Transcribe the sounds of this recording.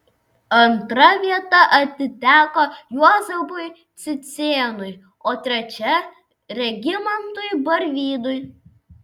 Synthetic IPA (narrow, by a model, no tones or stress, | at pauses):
ɐnt̪ɾɐʋʲiɛt̪ɐʔɐt̪ʲɪt̪ʲæːkoːjuɔzɛbʊj | t̪sʲɪt̪sʲeːnʊj | oːt̪ʲɾʲɛt͡ʃʲɛ | ɾʲɛɡʲɪmɐnt̪ʊɪbɐɾʲʋʲiːd̪ʊj